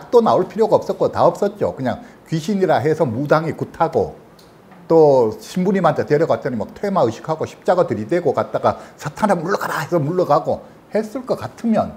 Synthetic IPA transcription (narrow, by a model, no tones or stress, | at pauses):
jak̚t͈onaoɭpʰiɾjoɡaʌp̚s͈ʌt̚k͈otaʌp̚s͈ʌt̚t͡ɕ͈o̰kɯɲaŋ | kɥiɕʰiɲiɾaɦe̞sʰʌmudaŋikutʰaɡo̰ | t͈oɕʰimbuɲimantʰateɾjʌkat͈ʌnimak̚tʰwemaɯɕʰi̥kʰaɡoɕʰi̥p̚t͡ɕ͈aɡatɯɾideɡokat̚t͈aɡasʰatʰanamuɭːʌɡaɾahesʰʌmuɭːʌɡaɡo | hes͈ɯɭk͈ʌkatʰɯmjʌn